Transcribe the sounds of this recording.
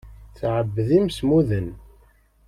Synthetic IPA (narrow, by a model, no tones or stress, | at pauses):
θʕəbːðimsmuðən